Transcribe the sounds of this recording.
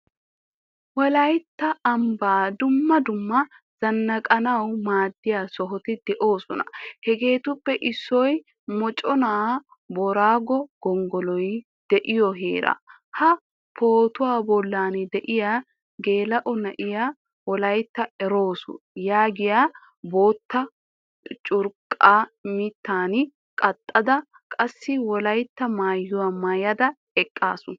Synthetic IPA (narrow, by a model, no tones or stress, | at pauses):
wɔlɐjt̪ːɐɐmbaːd̪ʊmːɐd̪ʊmːɐ | z̥ɐnːɐkʼɐnɐwmaːd̪ːɪjaːsɔɦɔt̪ɪd̪̥ɛʔo̞ːsɔnɐ̰hɛɡe̞ːt̪ʊpːɛʔɪsːɔj | mɔt͡ʃʼɔna | bɔɾaːɡɔɡ̥ɔŋɡɔlɔj | d̪̥ɛʔɪjɔɦḛːɾɐ̰ | hɐ | pʰo̞ːt̪ʊwaːbɔlːaːnd̪ɛʔɪjaː | ɡe̞ːlɐʔɔnɐʔɪjaː | wɔlɐjt̪ːɐɛɾo̞ːsʊ̰jaːɡɪjaː | bo̞ːt̪ːɐ | t͡ʃʼʊɾkʼːaːmɪt̪ːaːn | kʼɐt̪ʼːɐd̪ɐ | kʼɐsːɪwɔlɐjt̪ːɐmaːjːʊwamɐjɐd̪ɐ | ɛkʼːaːsʊ